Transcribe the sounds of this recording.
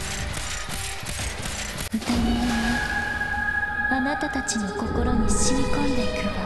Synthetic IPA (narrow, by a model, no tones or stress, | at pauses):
ɯt̪aɲinina | anat̪at̪at͡ɕinoko̞ko̞ɾo̞ɲiɕiɾʲikõnd̪ek̪ɯd̪a